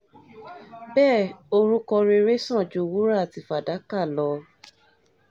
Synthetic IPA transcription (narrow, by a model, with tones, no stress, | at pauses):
bɛː˦˨o˧ɾu˦kɔ˧ɾe˧ɾe˦sã˦˨d͡ʒu˨˧wu˦ɾa˦˨ti˨fa˨da˨˦ka˦˨lɔ˨˧